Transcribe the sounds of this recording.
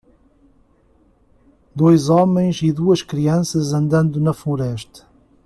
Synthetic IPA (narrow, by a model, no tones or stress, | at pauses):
d̪ojzɔmẽj̃ziðuɐʃkɾiɐ̃sɐzɐ̃nd̪ɐ̃nd̪unɐflˠuɾɛʃt̪ɐ̥